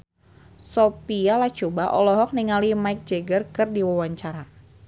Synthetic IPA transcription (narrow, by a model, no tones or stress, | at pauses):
sɔpialat͡ʃobaʔɔlɔɦɔk̚niŋalimaik̚d͡ʒeɡərkɨrdiwawaɲt͡ʃaɾa